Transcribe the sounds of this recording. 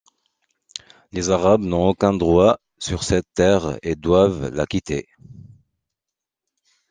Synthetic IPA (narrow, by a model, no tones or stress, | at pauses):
lezaʁabnɔ̃okɛ̃d̪ʁwa | syʁsɛt̪ːɛʁḛd̪wavla̰kʲit̪ʰe